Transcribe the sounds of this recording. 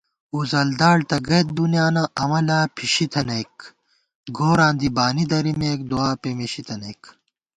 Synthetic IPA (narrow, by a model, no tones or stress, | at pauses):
uzɐld̪aːɽt̪ɐɡɐjt̪̚b̪unjaːnɐʔɐmɐlaːpʰiɕit̪ʰɐnek | ɡoːɾãːnd̪ibaːnid̪ɐɾimeːk̚d̪uaːpemiɕit̪ʰɐneːk